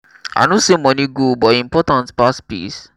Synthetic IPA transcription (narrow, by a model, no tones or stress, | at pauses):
a̰ɪnosemɔ̃niɡubɔĩmpɔtãntpaspḭs